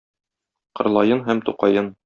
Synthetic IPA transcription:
qɤ̆ɾlˠɑjɤnɦæmt̪uqɑjɤn

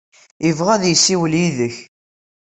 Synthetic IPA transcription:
əvʁæðjəsːiwəljiðəç

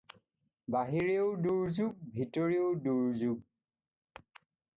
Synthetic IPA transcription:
baɦiɹioʊduɹzuk̚bʱitoɹioduɹzuk̚

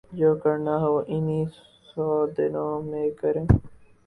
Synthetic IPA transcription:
d͡ʒoːkəɾnaːɦoːʔɪniːs | sɔːd̪ɪnõːmẽːkəɾẽː

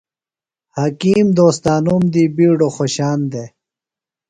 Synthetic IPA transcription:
hɐkiːmd̪oːst̪aːnumd̪iːbiːɖoxoɕaːnd̪e

